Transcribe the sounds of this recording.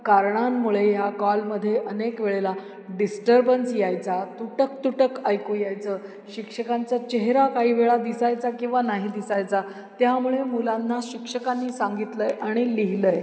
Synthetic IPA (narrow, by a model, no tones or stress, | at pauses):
kaɾɳamːuɭejakɔlməd̪ʱːjeʔənekʋeɭela | ɖisʈəɾbənsjajt͡sat̪uʈək̚t̪uʈəkajkojajt͡səː | ɕikʂəkant͡sat͡ɕeɦɾakaɦiːʋeɭad̪isajt͡sakĩw̃ʋanaɦid̪isajt͡sa | t̪jamuɭemulanːaɕikʂəkanːiːsaŋɡit̪ləjʔaɽ̃iliɦiləj